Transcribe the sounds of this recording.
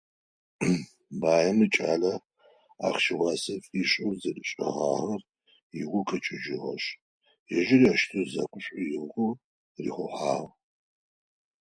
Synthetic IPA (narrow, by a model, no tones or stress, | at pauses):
baːjɐmɨt͡ʃʼaːlɐ | a̰ːχʃɪwɑːsɐt͡sʼiɕʼɨwzɐdɨɕʼɐ̰ʁa̰ːʁɐr | iʁʷʊkʰɐt͡ʃʼɪd͡ʒɪʁɐ̰ɕ | jɛʒɪriaʃtʰɨzɐ̰kʷʼʊɕʷʼʊjɪʁʷʁʷʊ | rḭːχʷʊħaːʁ